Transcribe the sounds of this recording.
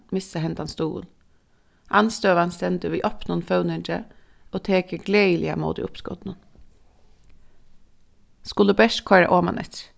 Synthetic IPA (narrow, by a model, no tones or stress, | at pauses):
mɪsəhɛnt̪ɑnst̪uːl | ʔɑnst̪øːʋɑnsɛnt̪ʉʋiːʔɔpnʊnfɑʉnɪnd͡ʒə̰ | oːt̪ʰeːkəɡleɪlɪɑ̰mo̰ːd̪ḭʔʊpskɔ̰d̪n̩ən | skʊləbɛʃkʰɔɾɑ̰ʔoːmɑ̰nʔɛ̰t̪